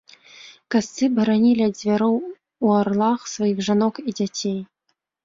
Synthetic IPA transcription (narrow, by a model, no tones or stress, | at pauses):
kast̪sɨbɐɾanʲilʲiɐzʲvʲaɾɔw | uarlˠaxsvajiɣʐanɔkid͡zʲat͡sʲej